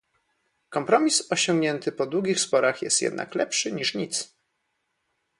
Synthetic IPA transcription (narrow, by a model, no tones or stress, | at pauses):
kɔmpɾɔmʲisɔɕɔŋɡɲɛnt̪ɘpɔd̪wuɡʲixspɔɾaxjɛ̰st̪jɛ̰d̪na̰klɛpʂɘɲiʂɲit̪s